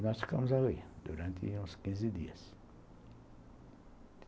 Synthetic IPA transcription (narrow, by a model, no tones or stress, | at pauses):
nɔst̪kamuzawed̪uɾãnt̪ḭũskĩnzid̪iɐs